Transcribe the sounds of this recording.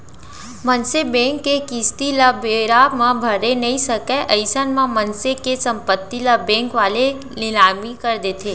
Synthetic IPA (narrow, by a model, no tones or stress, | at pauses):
mənsebɛ̃ŋkːekist̪iləbeɾamãbʱəɾenəɦĩsəkɛʔəɪsənmãmənsekesə̃mpət̪ːiləbɛ̃ŋkʋaːle | nɪlaːmikəɾd̪et̪ʰe